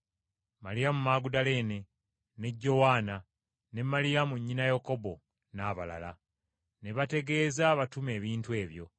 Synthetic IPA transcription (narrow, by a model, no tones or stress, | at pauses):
malijamumaːɡudale̞ːne̞ | ne̞ɟːo̞waːna | ne̞malijamuɲːinajoko̞bo̞ | naːβala̰la̰ | ne̞βate̞ɡe̞ːzaβatume̞ːβiːntue̞ːβjo̞̰